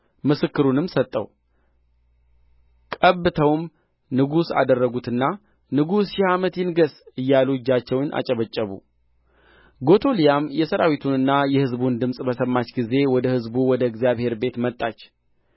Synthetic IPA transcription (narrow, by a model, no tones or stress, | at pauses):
mɨsɨkːɨɾunɨmsət̪ʼːəw | kʼəβːɨt̪ʰəwm | nɨɡusa̰d̪ərːəɡut̪ɨnːa | nɨɡusʃɪhamət̪jɪnɡəsɨjːalud͡ʒːat͡ʃːɛwnʔa̰t͡ʃʼəβət͡ʃʼːəβṵ | ɡo̞t̪ʰo̞lijamjɛsəɾawit̪ʰunɨnːajɛhɨzbund̪ɨmsʼbəsəmːat͡ʃɡize̞wɔd̪əhɨzbuwɔd̪əɡzijaβhe̞ɾbe̞t̪mət̪ʼːat͡ʃː